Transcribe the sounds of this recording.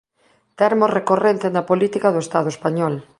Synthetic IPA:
t̪ɛɾmorekorent̪enɐpolit̪ikɐðoest̪aðoespaɲɔl

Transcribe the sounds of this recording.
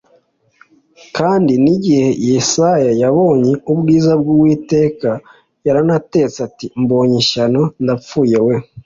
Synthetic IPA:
kaːndiniɟihe̞jesajajaβo̞ːɲeubɡiːzab̚ɡuwiːte̞ːka | jaɾanate̞t͡seatimbo̞ːɲiʃanondap͡fuːje̞we̞

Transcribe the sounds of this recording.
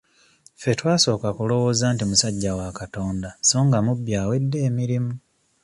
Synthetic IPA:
fe̞twaːso̞ːkakulo̞wo̞ːzaːntimusaɟːawakato̞ːndaso̞ːŋɡamubːjaːwe̞dːe̞ːmiɾimu

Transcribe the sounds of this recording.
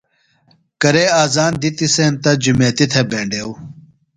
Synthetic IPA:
kɐɾeːaːzaːnd̪it̪iseːnt̪ɐd͡ʑumeːt̪it̪ʰebẽːɳɖeːw

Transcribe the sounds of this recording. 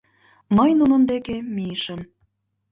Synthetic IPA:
məjnunə̆nd̪ekemiəʃəm

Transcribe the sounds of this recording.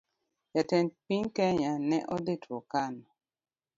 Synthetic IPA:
jatɛnpiɲkɛɲanɛʔɔdetʰwɔkanɔ

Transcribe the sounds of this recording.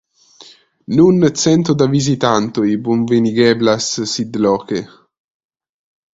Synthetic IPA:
nunsɛnt̪od̪avizit̪ant̪oibuɱveniɡɛblassid̪lɔːke

